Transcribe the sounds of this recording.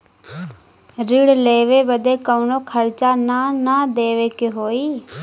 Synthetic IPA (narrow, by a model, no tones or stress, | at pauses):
ɾɪɽleːʋeːbəd̪eːkəunõːkʰəɾt͡ʃaːnaːnãːd̪eːʋeːkeɦoːiː